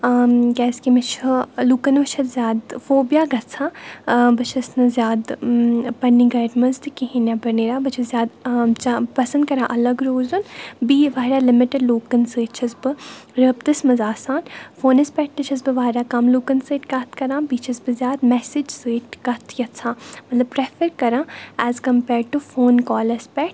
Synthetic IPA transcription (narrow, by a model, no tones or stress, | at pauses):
ɡɛːskimit͡ʃʰluːkɐnbɐt͡ʃʰɐt̪zjaːd̪foːbjaːɡɐt͡sʰãːbɐt͡ʃʰɐsnɐzjaːd̪pɐniːɡɐːɖmɐnst̪ɨkiɦinãːbɐɾneːɾaːbɐt͡ʃʰɐzʲjaːd̪t͡ʃapɐsɐnd̪kɐɾãːʔɐlɐɡɾoːzɐnbiːʋaːɾaːlɪmɪʈəɖloːkənseːt͡ʃʰɐsbɨɾəb̚t̪ɨsmɐzaːsãːnfoːnɐspɛʈ̚t̪ɨt͡ʃʰɐs̬bɨʋaːɾaːkɐmloːkənseːʈkɐt̪ʰkɐɾãːbiːt͡ʃʰɐsbɨzjaːd̪mɛsɪd͡ʒseːʈkɐt̪ʰjɐt͡sʰãːmɐt̪lɐb̚pɾɛfəɾkɐɾãːæːzkɐmpɛːɾɖ̚ʈufoːnkɔːlɐspɛʈ